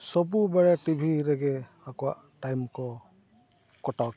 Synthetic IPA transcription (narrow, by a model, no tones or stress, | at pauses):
sɔbubaɹɛtibʱiɾɛɡɛ | akɔwaʔtajmkɔ | kɔtawt